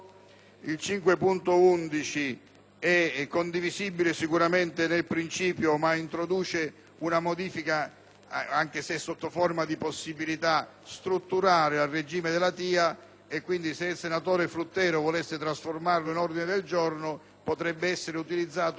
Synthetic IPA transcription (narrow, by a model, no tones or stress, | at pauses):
ilt͡ʃiŋkwepunt̪ʊund̪it͡ʃi | ɛkːond̪iviziːbilesikuɾament̪ɪnelpɾint͡ʃiːpjomaint̪ɾod̪uːt͡ʃe | unamod̪iːfika | aŋk̟esɛsːot̪ːofɔrmad̪iposːibilit̪a | st̪ɾut̪ːuɾaːɾɪalred͡ʒiːmed̪elat̪iːa | ekːwind̪iseilsenat̪ɔːɾeflut̪ːɛːɾovɔlesːɪt̪ɾasformarlʊinɔrd̪inɪd̪eld͡ʒɔrnʊ | pot̪ɾɛbːeɛsːeɾeut̪ilid̪zːaːt̪